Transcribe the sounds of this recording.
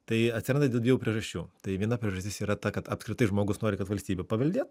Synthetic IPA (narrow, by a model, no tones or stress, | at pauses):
t̪ɐɪɐtʲsʲɪɾɐnd̪dʲeːlˠdʲʋʲiɛʋuːpʲɾʲiɛʒɐsʲt͡ʃʲuːt̪ɐɪʋʲiɛnɐpʲɾʲiɛʒɐsʲt̪ʲɪsiːɾɐt̪ɐkɐt̪ɐpskɾʲɪt̪ɐɪʒmoːɡʊsnoːɾʲɪkɐt̪ʋɐlʲsʲt̪ʲiːbʲɛpɐʋʲɐlʲd̪ʲeːt̪